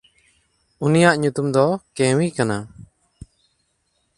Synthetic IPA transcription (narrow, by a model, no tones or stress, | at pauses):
unijaʔɲut̪umd̪ɔkɛ̃wikana